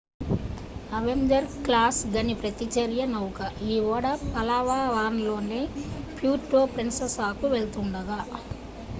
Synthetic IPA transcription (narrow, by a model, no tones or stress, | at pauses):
ɐʋeɲd͡ʒɐɾklaːsɡɐnipɾɐt̪it͡ʃɐɾjɐnɐwukɐiːʋɔːɽɐpɐlaʋaːʋaːnlo̞ːneːpʰjuːʈːoːpɾensɐsaːkuʋeɭut̪uɳɖɐɡa